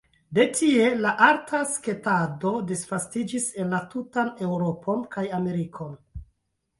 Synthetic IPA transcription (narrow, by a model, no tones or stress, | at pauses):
de̞tie̞laʔaɾtʰaske̞tado̞disfastid͡ʒise̞nlatutane̞wɾo̞pʰo̞nkajame̞ɾikʰo̞n